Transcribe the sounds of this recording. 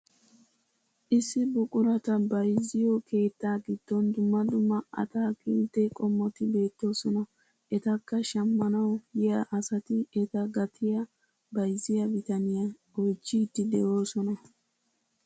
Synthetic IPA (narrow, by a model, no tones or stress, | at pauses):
ʔɪsːɪbʊkʼʊɾɐt̪ɐbɐjzɪjɔkʰe̞ːt̪ːaːɡɪd̪̥ːɔnd̪ʊmːɐd̪ʊmːɐɐ̰t̪aːkeːnt̪ːɛkʼɔmːɔt̪ɪbe̞ːt̪ːo̞ːsɔnɐ | ʔɛt̪ɐkːɐʃɐmːɐnɐwjɪjɐʔɐsɐt̪ɪɛt̪ɐɡɐt̪ʰɪjɐ | bɐjzɪjɐbɪt̪ɐnɪjɐ | ɔjt͡ʃːit̪ːɪd̪ɛʔo̞ːsɔnɐ